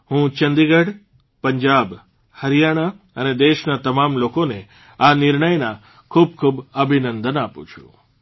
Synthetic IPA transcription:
hũt͡ʃənd̪iɡəɖ | pəɲd͡ʒab | həɾijaɽ̃a | əned̪eʃnat̪əmamlokone | anɪɾɳəjna | kʰub̚kʰubəbʱinənd̪ənapṵ̃t͡ʃʰṵ̃

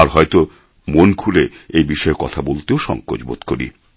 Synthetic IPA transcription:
aɾɦɔet̪o | monkʰuleejbiʃɔekɔt̪ʰabolt̪eoʃɔ̰ŋko̰d͡ʑbo̰t̪koɾḭ

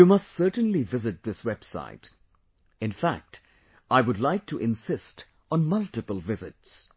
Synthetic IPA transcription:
jumʌstsɜ˞tn̩livɪzɨt̪̚ðɪswɛb̥sa̰ɪt | ɨ̃nfæ̰k̚t | ʔaɪwʊdˡlaɪk̚tʰɨʔɪ̃nsɪst | n̩mʌlˠtɨpəlˠvɪzɨts

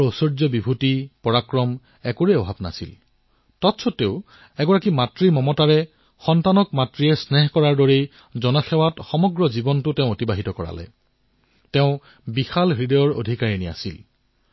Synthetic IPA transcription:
osoɹzɔbibʱutipɔɹakɹɔm | ɛkuɹeɔbʱabna̰sḭl | tɔtsʰɔteʊ̃ | ɛɡɔɹakimatɹimɔmɔtaɹɛ | xɔntanɔkmatɹiɛsnɛɦkɔɹaɹdoɹej | zɔnɔxɛwatxɔmɔɡɹɔzibɔntʊteʊ̃otibaɦitɔkɔɹa̰lɛ̰ | tɛʊ̃ | bixalɹidɔɔɹo̰dʱikaɹenia̰sil

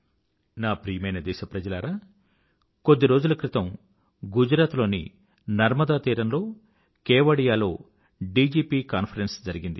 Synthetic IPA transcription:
naːpɾiːjɐmɐjnɐd̪ɛːʃɐpɾɐd͡ʒɐlaːɾaː | ko̞d̪ːiɾo̞ːd͡ʒulukɾit̪ɐm | ɡud͡ʒɾaːt̪lo̞ːnḭ | nɐɾmɐd̪aːt̪iːɾɐmlo̞ː | kɛːʋɐɽijaːlo̞ː | ɖiːd͡ʒiːpiːkaːnpʰɐɾensd͡ʒɐɾiɡind̪i

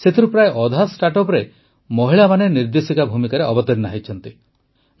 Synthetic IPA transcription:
set̪ʰiɾupɾaeʔɔd̪ʱasʈaʈɔpɾe | mɔɦiɭamaneniɾd̪esikabʱumikaɾeɔbɔt̪ɔɾnaɦit͡ʃʰɔnt̪i

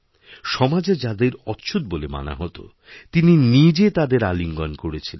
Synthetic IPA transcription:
ʃɔmad͡ʑed͡ʑad̪eɾɔtːɕʰud̪̚bolema̰na̰ɦɔt̪o̰ | t̪ininid͡ʑet̪ad̪eɾaliŋɡɔnkoɾet͡ɕʰilen

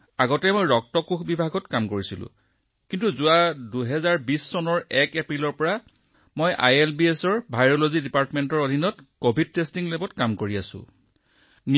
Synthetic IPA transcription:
aɡɔtɛmojɹɔk̚tɔkukʰbibʱaɡɔtkamkoɹisilʊ̰̃ | kintuzʊwaduɦɛzaɹbisːɔnɔɹɛkepɹilɔɹpɔɹa | mojʔa̰jelbiesɔɹbʱajɹolozidipaɹtmentɔɹodʱinɔtkobʱid̚testiŋlebɔtkamkoɹiasʊ̰̃ | n

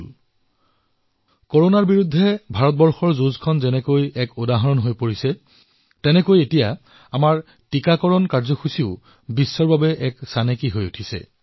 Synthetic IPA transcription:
koɹonaɹbiɹudʱːɛbʱaɹɔt̚bɔɹxɔɹzuzkʰɔnzɛnɛkojɛkodaɦɔnɔnɦojpoɹisɛ | tɛnɛkojetija | amaɹ | tikakɔɹɔnkaɹzɔxusiʊ | bisːɔɹbabɛʔɛksanekiɦojutʰisɛ̰

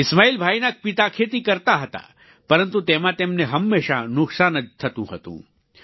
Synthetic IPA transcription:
ɪsmaːiːlbʱaːinak̚pit̪akʰeːt̪̬ikɐɾt̪aɦɐt̪a̰ | pɐɾənt̪ut̪eːmãt̪eːmneɦɐmːeːʃanʊksaːnəd͡ʒt̪ʰɐt̪ũɦɐt̪ṵ̃ː

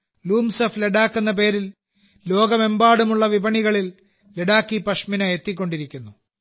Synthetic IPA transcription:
luːmsɐfleɽaːkːunːɐp̬e̞ːɾil | lo̞ːɡɐme̞mbaːɽumuɭːɐʋibʱɐɳiɣɐɭil | leɽaːkːipɐʂminɐet̪ːik̬ʲːo̞ɳɖiɾikʲːunːu

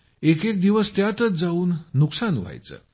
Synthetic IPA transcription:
ekek̚d̪iʋəst̪jat̪ət͡sd͡zauːnːuksanʋ̤a̰jt͡sə̰ː

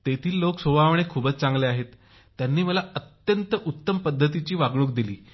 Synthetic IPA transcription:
t̪et̪ʰiːlːoksobʱaʋɳ̃ekʰuːbət͡st͡sãŋɡleaɦet̪ː | janːiːməlaət̪jənt̪əʔut̪ːəmpəd̪ʱːət̪it͡ɕiːʋaɡɽuk̚d̪ilḭː

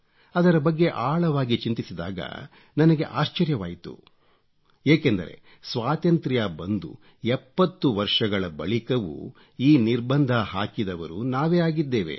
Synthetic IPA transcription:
ɐd̪ɐɾɐbɐɡːe̞ʔaːɭɐʋaːɡit͡ʃint̪isid̪a̰ːɡɐ̰ | nɐnɐɡeʔaːʃt͡ʃɐɾjɐʋaːjit̪ṵ | eːkend̪ɐ̰ɾe̞̰ | sʋaːt̪ɐnt̪ɾjaːbɐnd̪ṵ | ɛpːɐt̪ːuʋɐɾʂɐɡɐɭɐbɐ̰ɭikɐʋṵ | iːniɾbɐnd̪ʱaɦaːkid̪ɐʋɐ̰ɾunaːʋeːaːɡid̪ːeːʋe̞̰

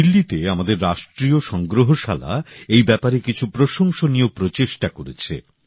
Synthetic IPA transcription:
ilːit̪eamad̪eɾːaʃʈɾioʃɔŋɡɾoɦoʃa̰la̰ejbɛpaɾekit͡ɕʰupɾoʃoŋʃoniopɾot͡ɕeʃʈakoɾḛt͡ɕʰḛ

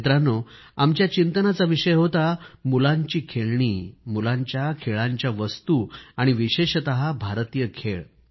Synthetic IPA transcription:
t̪ɾano | amt͡ɕjat͡ɕint̪ənat͡saʋiɕəjɦot̪amulãɲt͡ɕiːkʰeɭɳ̃iːmulãɲt͡ɕjakʰeɭãɲt͡ɕjaʋəst̪uːaɽ̃iʋiɕeɕət̪əɦabʱaɾt̪ijəkʰeɭ

